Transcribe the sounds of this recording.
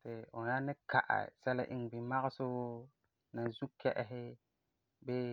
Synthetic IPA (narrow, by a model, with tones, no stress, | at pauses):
tɪ˨ʊ˨na˦nɪ˦kʰa̰˨ʔa̰˨sɛ˦la̰˦ʔɪ̰˦ŋ˨bi˨ma˦ɣɪ˦sʊ˦ | na˨zu˦kʰɛ˦ʔɪ˦ɦɪ˦ | bɛ˦